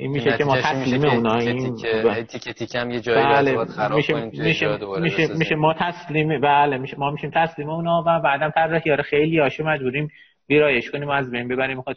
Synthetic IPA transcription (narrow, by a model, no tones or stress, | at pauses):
ʔinmiːʃecʰʲemɒːt̪ʰæsliːmeuːnɒːinʰ | t̪ikjed͡ʒbælemiʃemiʃemiʃemiːʃemɒːt̪ʰæsliːmebælemiʃemɒːmiʃiːmt̪ʰæsliːmeuːnɒːvæbæːd̪æmt̪ʰæɾːehijɒːɾexejliːɒːʃemæd͡ʒbuːɾim | viːɾɒːjeʃkʰoniːmoæzbe̞jnbebæɾimːix